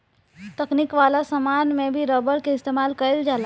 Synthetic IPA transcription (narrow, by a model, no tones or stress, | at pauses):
t̪əknikʋalasəmanmebʱiɾɔbəɾkeɪst̪emalkəəld͡ʒaːla